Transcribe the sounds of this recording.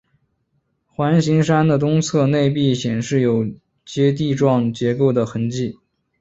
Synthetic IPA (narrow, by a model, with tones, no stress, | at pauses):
xwa˧˥nɕi˧˥ŋʂa˥nd̪ə˨t̪ʊ˥ŋt͡sʰɤ˥˧ne˥˧ɪpi˥˩ɕjɛ˨˩nʂɻ̩˥˩jo˨˩ʊ | t͡ɕjɛ˥t̪̬i˥˧ʈ͡ʂwɑ˥˩ŋt͡ɕjɛ˧˥ko˥˩ʊd̪ə˩xə˧˥nt͡ɕi˥˩